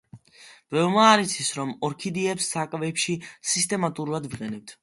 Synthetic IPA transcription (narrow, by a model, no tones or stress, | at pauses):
d̪̥vɛvmaːɾit̪sʰisɾɔmɔɾkʰid̪iɛpsːakʼvɛpʃisist̪ʼɛmat̪ʼuɾuvad̪viqʼɛnɛp̚t̪ʰ